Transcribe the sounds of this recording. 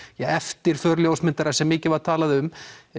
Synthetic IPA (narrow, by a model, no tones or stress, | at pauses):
jɛɣɛft̪ɪɾ̥fœɾljowsmɪnt̪aɾḁsɛmːɪːcɪvaɾ̥t̪ʰaːlaðɪʏm